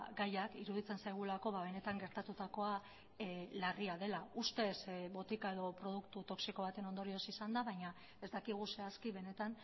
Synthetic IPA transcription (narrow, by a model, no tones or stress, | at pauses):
ɡajakiɾuð̞it͡se̞nsajɣ̞ulako̞βaβe̞ne̞t̪aŋɡe̞ɾt̪at̪ut̪ako̞a | lariaðe̞laust̪e̞sβo̞t̪ikae̞ðo̞pɾo̞ð̞ukt̪ut̪o̞ksiko̞β̞at̪e̞no̞nd̪o̞ɾio̞sisand̪aβaɲa | e̞zd̪akiɣ̞use̞askiβe̞ne̞t̪an